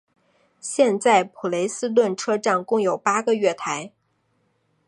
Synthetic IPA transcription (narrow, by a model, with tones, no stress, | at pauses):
ɕjɛ˥˧nt͡sa˥˩ɪpʰu˨˩le˧˥ɪsɹ̩˥t̪wə˥˩nʈ͡ʂʰɤ˥ʈ͡ʂɑ˥˩ŋkʊ˥˩ŋjo˨˩ʊpa˥ɡə˧ɥɛ˥˩t̪ʰa˧˥ɪ